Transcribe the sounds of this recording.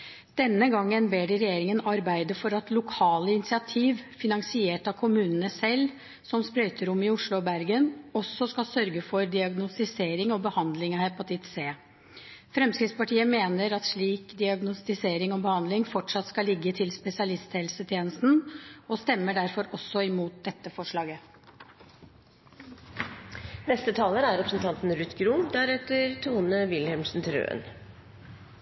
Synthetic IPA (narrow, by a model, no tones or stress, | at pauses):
d̪̥ɛnːəɡɑŋːənbeːɖɛɾɛjeːɾɪŋənɑɾbæɪd̪əfɔɾɑt̪lʊkʰɑːləɪnɪsɪɑt̪ʰiːʋfɪnɑŋsɪeːʈɑkʰʊmʉːnənəsɛlː | sɔmspɾœʏt̪ʰəɾʊmːɪʊʂɭʊbæɾɡənɔsːɔskɑsœɾɡəfɔɾd̪ɪɑɡnʊst̪ɪseːɾɪŋɔbəhɑnd̪lɪŋɑhɛpɑt̪ʰɪt̪seː | fɾɛmskɾɪt̪spɑʈʰiːəmeːnəɾɑt̪ʂɭiːkd̪ɪɑɡnʊst̪ɪseːɾɪŋɔmbəhɑnd̪lɪŋfɔʈʂɑt̪skɑlɪɡːət̪ʰɪlspɛsɪɑlɪst̪ʰɛːlsət̪ʰjeːnəst̪n̩ɔst̪ɛmːəɖæɾfɔɾɔsːɔɪmuːt̪̚d̪ɛt̪ːəfɔʂɭɑːɡə | nɛst̪ət̪ʰɑːləɾæɾɛpɾəsnt̪ʰɑnt̪n̩ɾʉt̪ɡɾumd̪æɾɛt̪əɾt̪ʰuːnəʋɪlhɛmʂn̩t̪ʰɾø̰ːə̰n